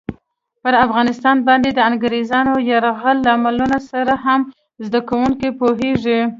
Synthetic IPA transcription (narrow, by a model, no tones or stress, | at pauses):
pəɾafɣɑnɪst̪ɑnbɑnd̪ed̪əaŋɡɾezɑnojaɾaɣəlːaamalunasaɾaɦam | zd̪akawuŋkepoɦeʐi